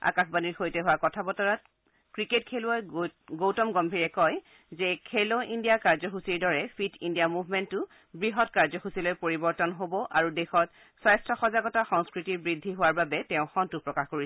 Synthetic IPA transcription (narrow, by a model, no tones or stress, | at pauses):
a̰kaxbaniɹxojtɛɦʊwakɔtʰabɔtɔɹat̚ | kɹiketkʰeluɔjɡowtɔmɡɔmbʱiɹɛkɔj | zɛkʰɛloʔindijakaɹzɔxusiɹdɔɹɛpʰitindijamuvʱmɛntʊ | bɹiɦɔtkaɹzɔxusilojpoɹibɔɹtɔnɦobɔʔaɹudɛxɔt | sajstʰɔxɔzaɡɔtaxɔŋskɹitiɹbɹidʱːiɦʊwaɹbabɛtɛ̃ʊ̃xɔntupɹɔkaxkoɹisɛ